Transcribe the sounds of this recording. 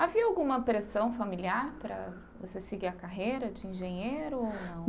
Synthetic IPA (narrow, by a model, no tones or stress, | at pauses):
aviɐawɡũmɐpɾesɐ̃w̃familiaɾpɾɐ̰ | vosesɪɡiɐkaɦejɾɐd͡ʒɪĩʒẽɲejɾʊownɐ̃w̃